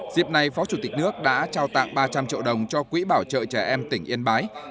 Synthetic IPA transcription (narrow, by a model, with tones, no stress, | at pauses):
zḭ˧˨əp̚na˨˩jfɔ˨˦t͡ɕu˧˩t̪ï˨˩k̟̚nɨ˦˥ək̚ɗa̰ː˧˥t͡ɕaː˧wt̪a̰ː˧˨ŋɓaː˧t͡ɕa˧mt͡ɕḭ˧˨əwɗə˨˩wŋ͡mt͡ɕɔ˧kwḭ˧˥ɓaː˧˩wt͡ɕə̰ː˧˨t͡ɕɛ˧˩ʔɛ˧mt̪ï˧˩ŋ̟ʔi˧ənɓaː˨˦j